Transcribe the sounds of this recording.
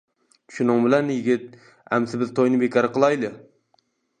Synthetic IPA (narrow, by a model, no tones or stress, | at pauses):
t͡ʃʰʊ̥ʃʊnɪŋbɪlanjɪɡʲɪt̪̚ | amsɪbɪzt̪ʰɒjnɪbekʰɒɾɪqɨlˠɑjlɪ